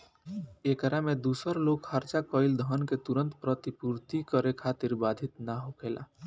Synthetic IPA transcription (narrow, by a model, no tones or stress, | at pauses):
ekɾamed̪usəɾlokhəɾt͡ʃakəɪld̪ʱənket̪uɾənt̪pɾət̪ipuɾt̪ikəɾekʰat̪iɾbad̪ʱit̪naɦokʰela̰